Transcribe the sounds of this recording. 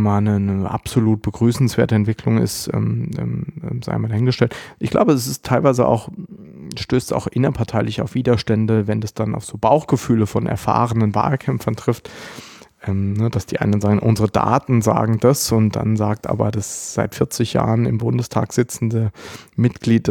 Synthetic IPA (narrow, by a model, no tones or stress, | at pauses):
maːlnənəʔa̰pz̥oluːt̚b̥əɡʁyːsn̩sv̥eːɐtəɛntv̥ɪkʰlʊŋɪ̰stʔɛ̰ːmʔɛmːza̰ɪmaldahɪnɡəʃtɛltʔɪçɡ̥la̰ʊbəɛs̬ɪstʰːaɪlvaɪzəʔa̰ʊx | ʃtøːsta̰ʊxʔɪnɐpʰaɐtʰaɪlɪçaʊfv̥iːdɐʃtɛndəvɛndasd̥ana̰ʊfz̥oːbaʊxɡ̥əfyːləfɔnʔɛ̰ɐfa̰ːʁənənva̰ːlkʰɛmfɐntʁ̥ɪft | ʔɛːmnəd̥asd̥iːʔa̰ɪnɐn̩zaːɡŋ̩ʔʊnzəʁəda̰ːtn̩za̰ːɡŋ̩d̥asʊntd̥a̰nzaːk̚tʔa̰ːbɐ̰dasz̥aɪtfɪɐt͡sɪçja̰ːʁənɪmbʊndəstʰa̰ːkz̥ɪt͡sn̩dəmɪtɡ̥liːt̚d